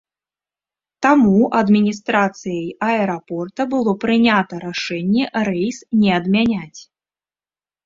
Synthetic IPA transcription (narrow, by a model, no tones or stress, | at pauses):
t̪amuʔɐd̪mʲinʲist̪ɾat̪sɨjɐjɐɛɾapɔrt̪ɐbɨlˠɔpɾɨnʲat̪ɐɾaʂɛnʲːɛrɛjsnʲɛɐd̪mʲanʲat͡sʲ